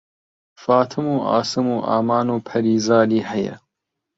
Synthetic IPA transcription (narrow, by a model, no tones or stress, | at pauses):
faːt̪ʰɨmuːʔa̰ːsɨmuːʔa̰ːmaːnuːpʰɐɾiːzaːliːhɛjɐ̰